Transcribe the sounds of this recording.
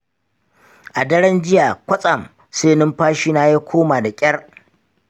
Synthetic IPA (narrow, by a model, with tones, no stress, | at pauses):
ʔa˨dɐ˦ɽɐ˦nd͡ʒɪ˦jaː˨kʷɐ˦sʼɐ˨m | seː˦nɪ˦mɸaː˦ʃiː˦naː˦ja˦kʷʰoː˦maː˨da˨kʲʼɐ˦r